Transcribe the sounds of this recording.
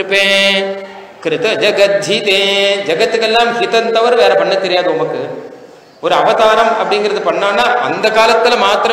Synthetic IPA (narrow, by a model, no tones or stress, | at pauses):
ɯpːẽː | kɾɪt̪ɐd͡ʒɐɡɐt̪̚d͡ʒʱit̪eːd͡ʒɐɡɐt̪ːɯkelːaːmhɪt̪ɐnt̪ɐʋɐɾʋeːɾɐpɐɳːɐt̪ːɛɾɪjaːðɐɔmbɐkːɯ | ɔɾɯɐʋɐt̪aːɾɐmɐpːɐɽɪŋɡɪɾɐðɯpɐɳːaːnːaːʔɐ̰nd̪ɐkaːlɐt̪ːɪlmaːt̪ɾɐ